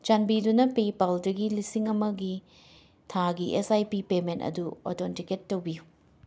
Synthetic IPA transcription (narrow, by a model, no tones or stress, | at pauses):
t͡ʃɐnbidunɐpipɐldɐɡilisiŋɐmɐɡi | tʰaɡiʔesajpipementɐ̰duo̰tʰontiketːɐwbiju